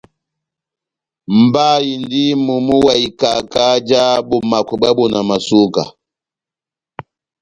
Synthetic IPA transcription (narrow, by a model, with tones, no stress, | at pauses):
m̩˨ba˦ji˨ndi˦mu˨mu˦wa˨i˨ka˨ka˦d͡ʒa˦bu˨ma˨ku˨ba˦bɔ˨na˨ma˨su˦ka̰˨